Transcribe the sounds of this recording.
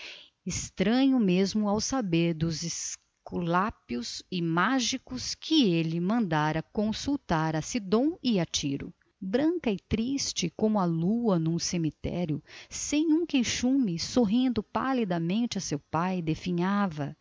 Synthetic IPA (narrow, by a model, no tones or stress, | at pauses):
ɪst̪ɾɐ̃ɲʊmezmʊawsabeɾd̪ʊzɪs | kulapiʊzɪmaʒikʊskʰɪelɪmɐ̃nd̪aɾɐkõsuwt̪aɾɐsid̪õw̃ɪat͡ʃiɾʊ̰ | bɾɐ̃ŋkɐɪt̪ɾist͡ʃɪkõmʊɐluɐnũsemit̪ɛ̰ɾjʊsẽj̃ũkejʃũmɪsoɦĩnd̪ʊpa̰lid̪ɐmẽnt͡ʃɪɐsewpajd̪efiɲavɐ